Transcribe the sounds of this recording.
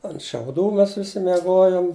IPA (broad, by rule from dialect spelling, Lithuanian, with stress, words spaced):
ɐnt ʃʲɛʊˈduː ˈmʲɛs ˈʋʲɪsʲɪ mʲɛˈɡoːjoːm